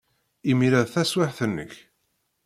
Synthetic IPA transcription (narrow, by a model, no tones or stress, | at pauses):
imiɾæðθæswaħθənːə̰ç